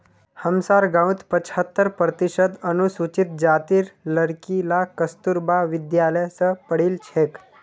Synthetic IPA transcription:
həmsaɾɡaũt̪pət͡ɕʰhət̪ːəɾpɾət̪iɕəd̪ənusut͡ɕit̪̚d͡ʒat̪iːɾləɽkilakəst̪uɾbaʋid̪jaləjsəpəɽiːlt͡ʃʰek

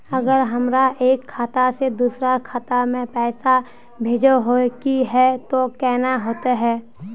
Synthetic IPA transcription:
əɡəɾɦəmɾaʔeːkʰːaːt̪ased̪uːsɾakʰaːt̪amẽpɛːsa | bʱeːd͡ʒəɦokiɦɛt̪okɛːɦnaɦoːt̪aɦɛː

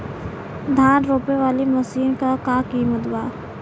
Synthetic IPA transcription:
d̪ʱaːnɾoːpeʋaːlimɐsiːnkakakiːmət̪waː

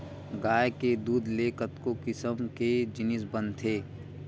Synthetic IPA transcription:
ɡaːjked̪uːd̪leːkət̪kokɪsəmked͡ʒɪnɪsbənt̪ʰeː

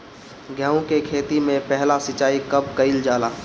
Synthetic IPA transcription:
ɡʱjəũkekʰeːt̪imẽpɛɦlasɪt͡ʃaːikɐb̚kɐɪld͡ʒaːlaː

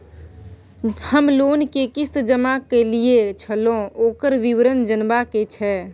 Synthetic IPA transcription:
həmlonkekist̪d͡ʒəmakeliet͡ʃʰəlõoːkəɾʋiʋɾənd͡ʒənbaket͡ʃʰɛ

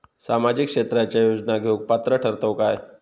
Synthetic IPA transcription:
samad͡ʑikʂet̪ɾat͡ɕajod͡ʑnaɡjoɡ̚pat̪ɾəʈʰəɾt̪əwkae

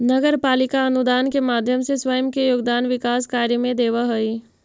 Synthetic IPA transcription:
nəɡəɾpaːlɪkaənud̪aːnkemaːd̪ʱjəmseswəjəmkejoːɡd̪aːnʋɪkaːskaːɾjəmẽd̪eːʋaɦəi

